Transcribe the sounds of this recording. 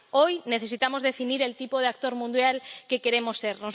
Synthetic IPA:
ojneθesit̪amozðefiniɾelt̪ipoð̞eak̚t̪oɾmũnd̪jalkekeɾemosːeɾnoz

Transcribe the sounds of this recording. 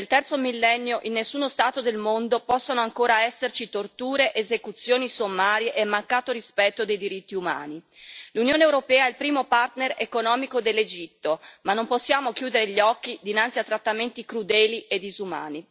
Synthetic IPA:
nelt̪ɛrt̪somilːɛnːjoʔinːesːuːnost̪aːt̪od̪elmond̪opɔsːonoaŋkoːɾaɛsːert͡ʃit̪ort̪uːɾeʔezekut̪sːjoːnisomːaːɾjeʔɛmːaŋkːaːt̪oɾispɛt̪ːod̪ejd̪iɾit̪ːiuma̰ːnilunjoːnewɾopɛːaɛlpɾiːmopart̪neɾekonɔːmikod̪elːed͡ʒit̪ːomanːomposːjaːmok̟juːd̪eɾeʎːɔkːid̪inant̪siat̪ːɾat̪ːament̪ikɾud̪ɛːlied̪ːizuma̰ːni

